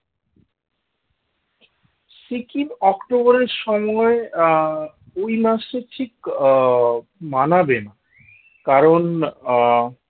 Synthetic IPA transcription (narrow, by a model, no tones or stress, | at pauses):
sikinɔkʈoboɾeɾʃɔmɔe | ojmaʃeʈʰik | manabena | kaɾon